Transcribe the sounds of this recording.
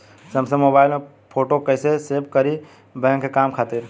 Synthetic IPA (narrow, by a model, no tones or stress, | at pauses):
səmsə̃mːoːbaːɪlme | pʰoːʈokəɪseseːbkəɾi | bɛ̃ːŋkːekaːmkʰaːt̪ɪɾ